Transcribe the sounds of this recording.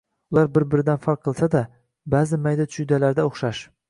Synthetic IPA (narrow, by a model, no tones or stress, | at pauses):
ʊlˠaɾbɪɾbɪɾɪd̪anfaɾqʰːɨlˠsad̪a | bazɪmajd̪at̪ʰt͡ʃʰʊjd̪alaɾd̪aoχʃaʃ